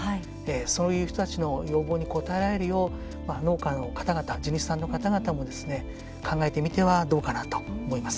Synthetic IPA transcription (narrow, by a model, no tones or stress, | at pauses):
hai | esoːjɯ̟ːçi̥t̪o̞t̪at͡ɕino̞jo̞ːbo̞ːɲ̟iko̞t̪ae̞ɾae̞ɾɯ̟jo̞ː | mano̞ːkano̞kḁt̪aɡat̪ad͡ʑiɲ̟isi̥sãnːo̞kat̪aɡat̪amo̞d̪e̞sɨne̞ | kʰãŋɡae̞t̪e̞mʲit̪e̞βad̪o̞ːkanat̪o̞̥omo̞imasɨ̥